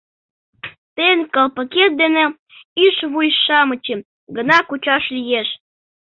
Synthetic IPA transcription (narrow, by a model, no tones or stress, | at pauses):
t̪enkəlpəket̪̚d̪ene | yʃβujʃɑmə̆t͡ɕe | ɡənɑkut͡ɕɑʃlijeʃ